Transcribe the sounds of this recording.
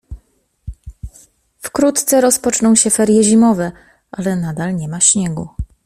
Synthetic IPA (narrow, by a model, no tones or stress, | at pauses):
fkɾut̪t̪sɛɾɔspɔt͡ʂnɔ̃w̃ɕɛfɛɾjɛʑimɔvɛ | ʔalɛnad̪alɲɛmaɕɲɛɡu